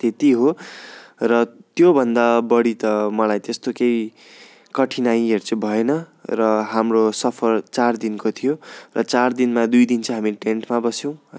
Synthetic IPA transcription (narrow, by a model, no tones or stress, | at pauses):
t̪et̪iɦo | rʌt̪jobʱʌnd̪abʌɽit̪ʌmʌlajt̪est̪okej | kʌʈʰinaj̃ert͡sʌbʱʌenʌrʌɦamrosʌpʰʌrt͡sard̪inkot̪ʰijorʌt͡sard̪inmad̪ujd̪int͡sʰʌɦamiʈeɳʈmabʌsjow̃